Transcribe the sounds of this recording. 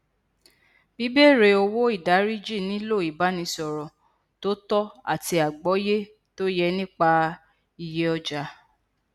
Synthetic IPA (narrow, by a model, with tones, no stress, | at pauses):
b̥i˨˦be˦˨ɾe˧o˧wo˦i˦˨da˨˦ɾi˦d͡ʒi˦˨nĩ˨˦lo˦˨i˨ba˨˦nĩ˧˦sɔ˨ɾɔ̃˨ | to˦tɔ˦a̰˦˨ti˧a˨ɡ͡bɔ˨˦je˦ | to˦jɛ˧nĩ˦k͡pa˧ | i˧je˦ɔ˧d͡ʒa˧˦